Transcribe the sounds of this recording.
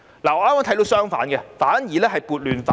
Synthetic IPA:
laː˨˩ŋɔː˨˧aː˥maː˥t̪ʰɐ˦˥t̪o˧wsœː˥ŋfa̰ː˨˥nɡɛ˧faː˨˥njiː˨lɛː˥ɦɐ˨jpuː˨˧t̚lyː˨nfa˨

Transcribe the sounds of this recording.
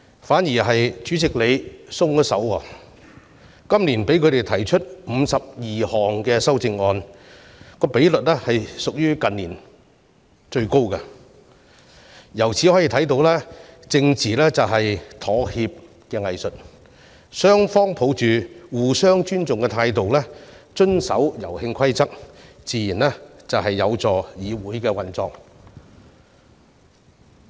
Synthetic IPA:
faː˨˥njiː˨˩ɦɐ˨jt͡ʃyː˨˥t͡sɪ˨k̚le˨˧jsʊ˥ŋɔ˥sɐ̰˨˥wɔ̰ː˧˩ | kɐ˥mliː˨˩npe˨˥jkʰɵ˨˧t̪e˨jt̪ʰɐ˨˩jt͡ʃʰɵ˥t̚m̩˨˧sɐ˨p̚jiː˨hɔː˨ŋkɛ˧sɐ˥wt͡sɪ˧ŋɔː˧n | kɔː˧pe˨˥jlɵ˨t̚lɛː˥hɐ˨jsʊ˨k̚jyː˥kɐ˨nliː˨˩n | t͡ʃɵ˧ɥko˥wka˧ | jɐ˨˩wt͡sʰiː˨˥hɔː˨˥jiː˧t̪ʰɐ˨˥jt̪̬o˨˥wlɛː˥t͡sɪ˧ŋt͡siː˨lɛː˥t͡sɐ˨wɦɐ˨jt̪ʰɔː˨˥hiː˧p̚ | kɛː˧ŋɐ˨jsɵ˨t̚ | sœː˥ŋfɔː˥ŋpʰo˨˧˥wt͡ʃyː˨˩wuː˨˩sœː˥ŋt͡ʃyː˥nt͡sʊ˨ŋkɛ˧t̪ʰaː˧jt̪o˨wlɛː˥ | t͡ʃɵ˥nsɐ̰˨˥wjɐ˨˩whɪ˧ŋkʰɐ˥jt͡sɐ˥k̚ | t͡siː˨˧jiː˨˩nlɛ˥t͡sɐ˨wɦɐ˨jːɐ˨˧wt͡sɔː˨˩jiː˨˧wuː˨˥jkɛː˧wɐ˨nt͡sɔː˨˩ŋ

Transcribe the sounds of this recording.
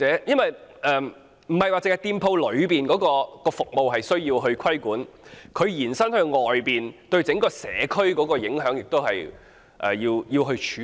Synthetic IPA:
ɛː˨˥jɐ˥nwɐ˨jʔɛː˨ | m̩˨˩hɐ˨jwa˨t͡sɪ˨ŋhɐ˨jt̪iː˧mpʰo˧wlɵ˨˧ɥpiː˨nkɔː˨˥kɔː˧kɔː˧fʊ˨k̚mo˨wɦɐ˨jsɵ˥ɥjiː˧wɦɵ˧ɥkʰɐ˥jkuː˨˥nkʰɵ˨˧ɥjiː˨˩nsɐ˥nhɵ˧ɥŋɔː˨˩jpiː˨˩nt̪ɵ˧ɥt͡sɪ˨˥ŋkɔː˧sɛ̰ː˨˧kʰɵ˥ɥkɔː˨˥kɔː˧jɪ˨˥ŋɦœː˨˥ŋjɪ˨k̚t̪o˥whɐ˨j | ʔɛ̰ː˨jiː˧wjiː˧wɦɵ˧ɥt͡ʃʰyː˨˦

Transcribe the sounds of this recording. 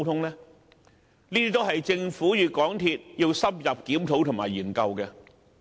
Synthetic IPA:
t̪ʰʊ˥ŋlɛː˥ | niː˥t̪iː˥t̪o˥wɦɐ˨jt͡sɪ˧ŋfuː˨˥jyː˨kɔː˨˥ŋt̪ʰiː˧t̚jiː˧wsɐ˥p̚jɐ˨p̚kiː˨˥mt̪ʰo˨˧˥wt̪ʰʊ˨˩ŋmaː˨˩jiː˨˩nkɐ˧wkɛː˧

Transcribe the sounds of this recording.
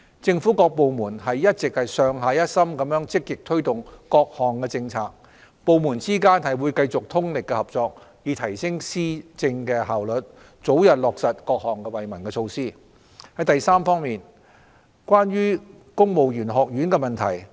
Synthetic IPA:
t͡sɪ˧ŋfu˨˥kɔː˧k̚po˨wmuː˨˩nɦɐ˨jːɐ˥t̚t͡sɪ˨k̚hɐ˨jsœː˧ŋɦaː˧jɐ˥t̚sɐ˥mkɐ˨˥mjœː˨˥ŋt͡sɪ˥k̚ːjɪ˨k̚t̪ʰɵ˥ɥt̪ʊ˨ŋkɔː˧k̚hɔː˨ŋkɛ˧t͡sɪ˧ŋt͡sʰaː˧k̚ | po˨wmuː˨˩nt͡siː˥kaː˥nhɐ˨jwuː˨˧jkɐ˧jt͡sʊ˨k̚t̪ʰʊ˥ŋlɪ˨kːɛ˧hɐ˨p̚t͡sɔː˧k̚jiː˨˧t̪ʰɐ˨˩jsɪ˥ŋsiː˥t͡sɪ˧ŋkɛː˧ɦaː˨wlɵ˨t̚ | t͡so˨˥wjɐ˨t̚lɔː˨˩k̚sɐ˨t̚kɔː˧k̚hɔː˨ŋkɛ˧wɐ˨jmɐ˨˩nkɛ˧t͡sʰo˧wsiː˥ | hɐ˨˥jt̪ɐ˨jsaː˥mfɔː˥ŋmiː˨n | kwaː˥nɥyː˥ | kʊ˥ŋmo˨wjyː˨˩nɦɔː˨k̚jyː˨˥nkɛ˧mɐ˨nt̪ʰɐ˨˩j

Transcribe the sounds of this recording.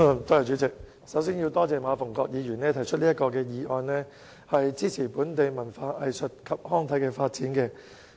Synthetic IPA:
t̪oː˥jɐ˨wt͡ʃyː˨˥t͡sɪ˨k̚ | sɐ˨˥wsiː˥nji˧wt̪ɔː˥t͡sɛː˨maː˨˧fʊ˨˩ŋkɔː˧k̚jiː˨˧jyː˨˩nɛː˥t̪ʰɐ˨˩jt͡ʃʰɵ˥t̚li˥ɐ˥t̚kɔː˧kɛː˧jiː˨˧ʔɔː˧nnɛː˥ | hɐ˨jt͡siː˥t͡sʰiː˨˩puː˨˥nt̪e˨jmɐ˨˩nfaː˧ʔɐ˨jsɵ˨t̚kʰɐ˨p̚hɔː˥ŋt̪ʰɐ˨˥jkɛː˧faː˧t̚t͡siː˨˥nkɛː˧

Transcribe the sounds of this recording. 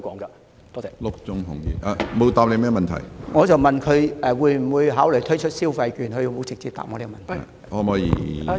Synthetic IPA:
kɔː˨˥ŋkɐ˧ | t̪ɔ˥ɛ˨˩lʊ˥k̚t͡sʊ˥ŋɦʊ˨˩ŋji˨˧ʔa˨˧mo˨˧wt̪aː˨p̚le˨˧mɛː˥˩mɐ˨nt̪ʰɐ̰˨˩jŋɔː˨˧t͡sɐ˨wmɐ˨nkʰɵ˨˧ɥʔɛː˨wuː˨˧jm̩˨˩wuː˨˧jɦaː˨˥wljt̪ʰɵ˥ɥt͡ʃʰɵ˥t̚siː˥wfɐ˧jkyː˨˩nhɵ˧jo˧wmo˨˧wt͡sɪ˨k̚t͡siː˧p̚t̪a̰˨ŋɔː˨˧le˥˧mɐ˨nt̪ʰ | ʔɔː˧mɔː˨˧jḭː˨˩˨

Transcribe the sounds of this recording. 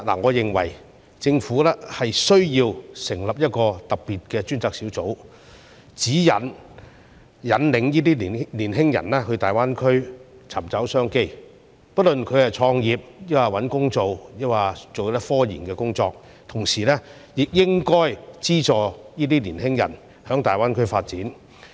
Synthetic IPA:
na̰ː˨˩ŋɔː˨˧jɪ˨ŋwɐ̰˨˩j | t͡sɪ˧ŋfuː˨˥lɛː˥hɐ˨jsɵ˥ɥjiː˧wsɪ˨˩ŋlɐ˨p̚jɐ˥t̚kɔː˧t̪ɐ˨k̚pːiː˨t̚kɛː˧t͡ʃyː˥nt͡saː˧k̚siː˨˥wt͡so˨˥w | t͡siː˨˥jɐ˨n | jɐ˨˧nlɪ˨˧˥ŋjiː˥t̪̬iː˥li˨˩liː˨˩nɦɪ˥ŋjɐ̰˨˩nlɛː˥hɵ˧t̪aː˨jwaː˥nkʰɵ˥ɥ | t͡sʰɐ˨˩mt͡sɐ˨˥wsœː˥ŋke˥j | pɐ˥t̚lɵ˨nkʰɵ˨˧ɥhɐ˨jt͡sʰɔː˧ŋjiː˨p̚jɐ˥waː˨˩wɐ˨˥nkʊ˥ŋt͡so˨wjɐ˥waː˨˩t͡so˨wt̪ɐ˥fɔː˥jiː˨˩nkɛː˧kʊ˥ŋt͡sɔː˧k̚ | t̪ʰʊ˨˩ŋsiː˨˩lɛː˥ | jɪ˨k̚jɪ˥ŋkɔː˥jt͡siː˥t͡ʃɔː˨jiː˥t̪iː˥liː˨˩nɦɪ˥ŋjɐ̰˨˩n | hœː˨˥ŋt̪aː˨jwaː˥nkʰɵ˥ɥfaː˧t̚t͡siː˨˥n

